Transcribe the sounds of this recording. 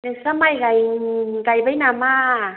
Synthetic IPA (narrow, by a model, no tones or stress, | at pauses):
nɯŋsamajkajkajbajnama